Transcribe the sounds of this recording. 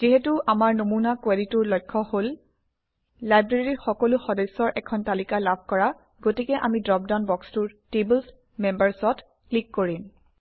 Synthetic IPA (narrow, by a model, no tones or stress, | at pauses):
z̥iɦetuʔamaɹnomunakweditʊɹlɔjkʰːɔhol | ajbɹeɹiɹxɔkɔlʊxɔdɛsɔɹʔɛkʰɔntalikalabʱkɔɹa | ɡotikɛʔamidɹɔp̚daʊnbɔkstʊɹtebls | mɛmbaɹsɔt | klikːoɹim